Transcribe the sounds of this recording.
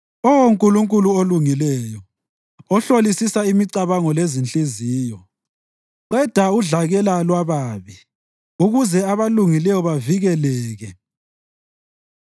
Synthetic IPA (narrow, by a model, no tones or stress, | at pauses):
ɔwoŋkʼuluŋkʼuluoluŋilɛjɔ | ɔɬolisisaimiǀaβaŋɔlezint͡ɬʼiziːjɔ | ǃɛd̥ʱauɮaɣɛlalwaβaːβi | uɣuzɛaβaluŋilɛjɔβaviɣɛlɛːɣɛ